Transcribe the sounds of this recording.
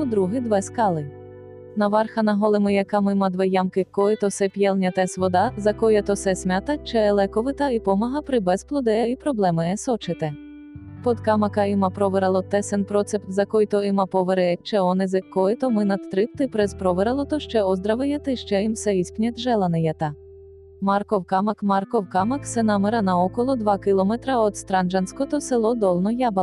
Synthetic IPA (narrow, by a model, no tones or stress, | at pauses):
d̪ɾuɦɪd̪ʋɛskɑlˠɪ | nɐʋɑrxɐnɐɦɔlˠɪmɪjɛkɑmɪmɐd̪ʋɛjɑmkɪkːɔɪt̪ɔsɛpʲjɛlˠnʲɐt̪ɛsʋɔd̪ɑzɐkɔjɐt̪ɔsɛsʲmʲat̪ɐt͡ʃɛlˠɛkɔʋɪt̪ɐipɔmɐɦɐpɾɪbɛzplˠɔd̪ɛɛipɾɔblˠɛmɪɛsɔt͡ʃɪt̪ɛ | pɔd̪kɑmɐkɐɪmɐpɾɔʋeɾɐlˠɔt̪ɛsɛnpɾɔt̪sɛpt̪zɐkɔjt̪ɔɪmɐpɔʋeɾɛɛt͡ʃɛɔnɪzɪkːɔɪt̪ɔmɪnɐd̪̚t̪ɾɪpt̪ɪpɾɛzpɾɔʋɪɾɐlˠɔt̪ɔʃt͡ʃɛɔzd̪ɾɐʋɪjɛt̪ɪʃt͡ʃɛimwsɛisʲpnʲɐt̪ʲʒɛlˠɐnɪjɛt̪ɐ | mɑrkɔwkɑmɐkmɑrkɔwkɑmɐksɛnameɾɐnɐɔkɔlˠɔd̪ʋɑkɪlˠɔmɛt̪ɾɐɔd̪st̪ɾɑnd͡ʒɐnsʲkɔt̪ɔselˠɔd̪ɔlˠnɔjɑbɐ